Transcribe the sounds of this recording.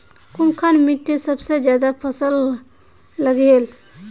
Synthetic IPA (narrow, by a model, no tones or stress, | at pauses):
kunkʰanmiʈːesəbsed͡ʒjad̪apʰəsəlː | əɡel